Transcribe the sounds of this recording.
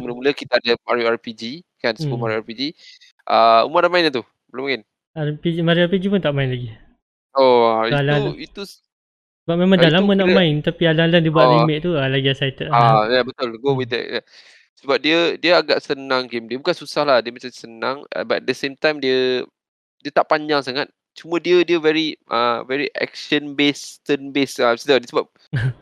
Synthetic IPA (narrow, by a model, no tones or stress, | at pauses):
muləmuləkit̪aadamaɾjuarpid͡ʒikansbumaɾuapid͡ʒi | ʔəṵməadamaɪnat̪u | bəlumaɪn | apid͡ʒmaɾiapid͡ʒipʊnt̪aʔmaɪnlaɡi | oaialauit̪u | səbap̚mẽmãŋdalamənãʔmãɪnt̪apialalandibuaʔimɛʔ̚t̪ualaɡiasajt̪əʔajabət̪ʊlɡowiɛ̰ʔja | səbap̚diədiəaɡaʔsənãŋɡemdiəbukansusahlahdiəmat͡ʃamsənãŋɛ̰baɛ̰d̪əsẽmt̪ãjmdiə | diət̪aʔpaɲd͡ʒaŋsaŋat̪̚ | t͡ʃumə̃diədiəvɛɹiʔə̰vɛɹiʔɛ̰k̚ʃənbest̪ənbesasidədiəsəbap̚